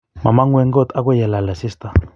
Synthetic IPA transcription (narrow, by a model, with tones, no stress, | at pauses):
mã˨ma˦ŋwʷe˦˧ŋɡo˦t̪a˦kʷe˦ja˨la˨la˨si˦st̪a˨